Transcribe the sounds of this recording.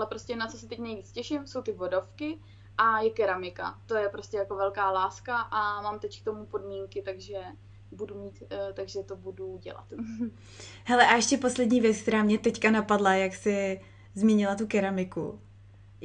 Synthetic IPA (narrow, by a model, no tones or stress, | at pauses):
ʔalɛpɾo̞scʲɛnat͡sosɪt̪ɛcnɛjviːt͡scɛʃɪmso̞wt̪ɪvodofkɪ | ʔajɛkɛɾamɪka̰t̪o̞jɛpɾo̞scʲɛjakovɛlkaːlaːskaʔamaːmt̪ɛck̚t̪o̞mupo̞dmiːŋkɪt̪aɡʒɛ | budumiːt̪t̪aɡʒɛt̪obuduɟɛ̰la̰t̪ | hɛlɛʔaɛʃcɛpo̞slɛdɲiːvjɛt͡skt̪ɛɾaːmɲɛt̪ɛckanapadlajaksɪ | zmiɲɪlat̪ukɛɾamɪkṵ